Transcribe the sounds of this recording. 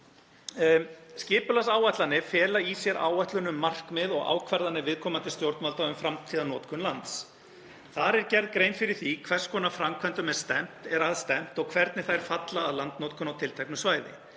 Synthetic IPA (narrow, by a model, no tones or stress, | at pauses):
scɪːpʏlasaːwaht̪lanːɪfɛːlaisjɛɾa̰ːwaht̪lʏnʏmːar̥kmɪðɔɣa̰ːwkʰvɛɾðanːɪvɪðkʰɔːmant̪ɪ̥st̪jowɾt̪nmalt̪aʏmfɾamt̪ʰiːðanɔːt̪kʰʏnlant̪s | θaɾɛɾcɛɾðkɾejnfɪɾɪɾ̥θikʰvɛr̥skʰɔːnafɾamkʰvɛnt̪ʏmɛð̥st̪ɛm̥t̪ɛɾaðst̪ɛm̥t̪ɔɣkʰvɛɾt̪nɪθaɛɾ̥fat̪laːðlant̪nɔːt̪kʰʏnawt̪ʰɪlt̪ʰɛknʏsvaːjðɪ̰